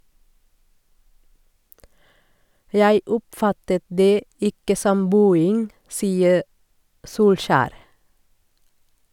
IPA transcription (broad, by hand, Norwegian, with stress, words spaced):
ˈjæɪ ˈʊpˌfɑtət ˈdeː ˈɪkə ˈsɔm ˈbʉːɪŋ ˈsiːə ˈsuːlʃæːɾ